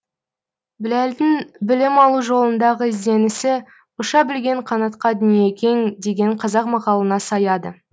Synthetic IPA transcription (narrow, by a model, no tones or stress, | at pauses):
bɪlæld̪ɪŋbɪlɪmɑlˠuʒo̞lˠənd̪ɑʁəɪzd̪e̞nɪsɪ | ʊʃɑbɪlɡʲe̞ɴqʰɑnɑt̪qɑd̪ʏnije̞kʲʰe̞ŋd̪e̞ɡʲe̞ɴqʰɑzɑqmɑqɑlˠənɑsɑjɑd̪ə